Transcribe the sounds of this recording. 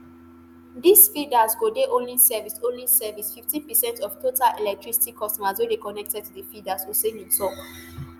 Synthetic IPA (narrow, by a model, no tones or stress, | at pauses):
disfidazɡodeʔõnlisɛvisõnlisɛvisfiftĩnpɛsɛ̃ntɔftʰotalʔelɛk̚tɹisi̥tikʰɔstɔmaswedekɔnɛk̚tɛd̚tudəfidasosẽnĩnsɔk